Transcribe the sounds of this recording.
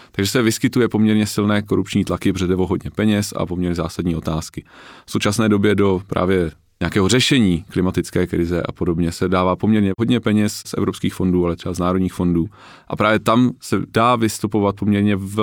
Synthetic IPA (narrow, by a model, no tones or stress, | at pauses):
t̪aɡʒɛsɛvɪskɪt̪ujɛpo̞mɲɛɾɲɛsɪlnɛːko̞ɾupt͡ʃɲiːt̪lakɪbrɛdɛvoɦo̞dɲɛpɛɲɛsa̰po̞mɲɛɾɲɛzaːsadɲiːo̞t̪aːskɪfsowt͡ʃasnɛːdo̞bjɛdo̞pɾʔa̰ːvjɛ | ɲɛakɛːɦor̝ɛʃɛɲiːklɪmat̪ɪt͡skɛːkɾɪzɛʔa̰po̞dobɲɛsɛdaːvaːpo̞mɲɛɾɲɛɦo̞dɲɛpɛɲɛssʔɛ̰vɾopskiːxfo̞nduːalɛt̪r̥ɛbaznaːɾodɲiːxfo̞nduː | ʔapɾaːvjɛt̪amsɛdaːvɪst̪upovat̪̚po̞mɲɛɾɲɛvɛ